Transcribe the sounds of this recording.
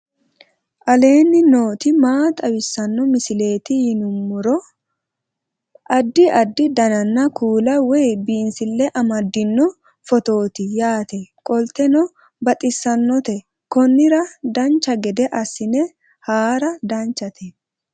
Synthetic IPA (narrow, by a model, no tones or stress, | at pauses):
ʔɐle̞ːnːɪno̞ːt̪ɪmaːt̪ʼɐwɪsːɐnːɔmɪsɪle̞ːt̪ɪjɪnʊmːʊɾɔ | ʔɐd̪ːɪʔɐd̪ːɪd̪ɐnɐnːɐkuːlɐwɛjbiːnsɪlːɛʔɐmɐd̪ːɪnːɔ | fɔt̪o̞ːt̪ɪjaːt̪ɛkʼɔlt̪ɛnɔ | bɐt̪ʼɪsːɐnːɔt̪ɛ | kɔnːɪɾɐd̪ɐnt͡ʃːɐɡɛd̪ɛʔɐsːɪnɛ | haːɾɐd̪ɐnt͡ʃːɐt̪ʰɛ